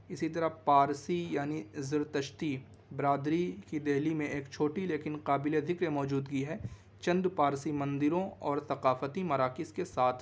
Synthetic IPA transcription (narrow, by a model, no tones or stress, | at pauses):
ɪsit̪̬ɐɾapaːɾsijaːnizɪɾt̪ɐʃt̪i | bɾaːd̪ɾikid̪ɛɦlimẽʔeːkt͡ʃʰoːʈileːkɪnqaːbɪleɐd̪ʱɪkɾemɔːd͡ʒuːd̪ɡiɦɛː | t͡ʃɐ̃nd̪paːɾsimɐ̃nd̪ɪɾõɔːɾt̪ɐqaːfət̪imɐɾaːkɪskesaːt̪ʰ